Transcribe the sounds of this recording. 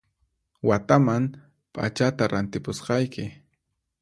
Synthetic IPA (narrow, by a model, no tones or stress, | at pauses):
wat̪amaŋ | pʼa̰t͡ʃat̪aɾant̪ɪpʊsqɑjkɪ